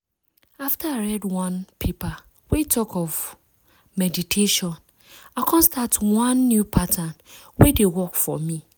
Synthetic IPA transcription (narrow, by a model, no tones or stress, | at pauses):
aftʰaaɹɛdwãnpʰepa | wetʰɔkʰɔv | mɛditʰeʃɔ̃n | akʰɔ̃nstatwãnːjupʰatʰãnwedewɔkfɔ̰mĩ